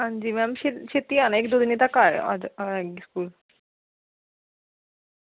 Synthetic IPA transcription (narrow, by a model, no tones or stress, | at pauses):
ɦand͡ʑimɛmʃeʃet̪ianekd̪od̪ʱinet̪akaɾa̰ɛiskul